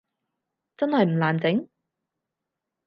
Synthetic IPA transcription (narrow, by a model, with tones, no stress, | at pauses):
t͡sɐ˥nhɐ˨jm̩˨˩laː˨˩nt͡sɪ˨˥ŋ